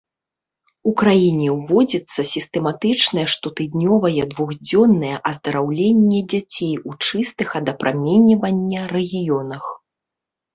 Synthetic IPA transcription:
ukɾajinʲɛwvɔd͡zʲɐt̪sːɐsʲist̪ɛmat̪ɨt͡ʂnɐjɛʂt̪ɔt̪ɨd̪ʲnʲɔvɐjɛd̪vuɣd͡zʲɔnːɐjɛʔɐzd̪ɐɾawlʲenʲːɛd͡zʲat͡sʲejut͡ʂɨst̪ɨxɐd̪ɐpɾʔamʲɛnʲivɐnʲːɐrɛɣʲijɔnɐx

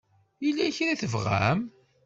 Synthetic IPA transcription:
ilːæçɾiθəvʁæ̰m

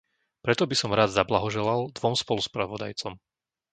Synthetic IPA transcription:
pɾɛt̪ɔbisɔmɾaːd̪zablaɦɔʒɛlald̪ʋɔmspɔluspɾaʋɔd̪a̰jt͡sɔm

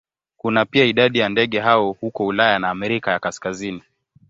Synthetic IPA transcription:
kunapiaiɗaɗijandɛɠɛɦaɔhukɔulajanaːmɛɾikajakaskazini

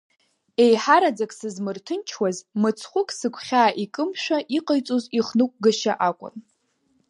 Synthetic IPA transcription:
e̞jħaɾad͡zakʼsɨzmɨrtʰɨnt͡ʃʰwazmɨt͡sʰχʷʊkʼsɨkʷʰχʲaːʔikʼɨmʃʷᶣaʔiqʼajt͡sʼoziχnɨkʷʼɡaʃa̰ʔakʷʼʊ̰n

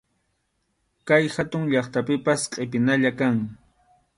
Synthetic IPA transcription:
kajxat̪ʊŋʎɑχt̪apɪpasqʼɪpɪnaʎakaŋ

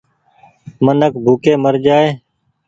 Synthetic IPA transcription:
mənəkbʱuːkeːməɾd͡ʒaːeː

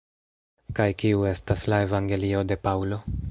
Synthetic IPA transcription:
kajkiue̞staslae̞vaŋɡe̞lio̞de̞pawlo̞

